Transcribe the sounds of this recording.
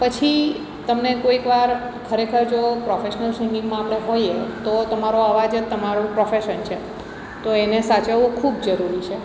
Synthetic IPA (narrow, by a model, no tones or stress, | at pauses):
pət͡ʃʰi | t̪əmnekoikʋaɾ | kʰəɾekʰəɾd͡ʒopɾɔfeʃənəlsiŋɡĩŋɡmãmɭeɦoiet̪ot̪əmaɾoaʋad͡ʒət̪ːəmaɾũpɾɔfeʃənt͡ʃʰe | t̪oenesat͡ʃəʋũkʰubd͡ʒəɾuɾit͡ʃʰe